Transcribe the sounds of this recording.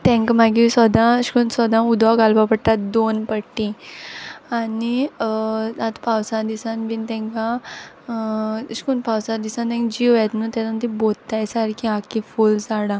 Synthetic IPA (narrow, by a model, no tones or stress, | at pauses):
t̪ɛ̃ŋkmaɡisɔd̪ãɕkunsɔd̪ãud̪ʋaɡalbapəɽʈ̪ad̪onpəʈːĩ | ani | at̪pawsãd̪isãnbint̪ɛ̃ŋkã | ɕkunpawsãd̪isãnt̪ɛ̃ŋɡd͡ʑiojat̪nut̪at̪ant̪ĩbolt̪ajsaɾkiakifuld͡zaɽa